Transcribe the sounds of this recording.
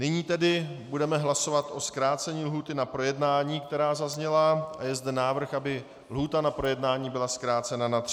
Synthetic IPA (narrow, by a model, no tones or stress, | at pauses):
nɪɲiːt̪ɛdɪbudɛmɛɦlaso̞vat̪ʔo̞skɾaːt͡sɛɲiːlɦuːt̪ɪnapɾo̞jɛdnaːɲiːkt̪ɛɾaːzazɲɛlaʔajɛzdɛnaːvr̩xabɪ | lɦuːt̪anapɾo̞jɛdnaːɲiːbɪlaskɾaːt͡sɛnanat̪rɪ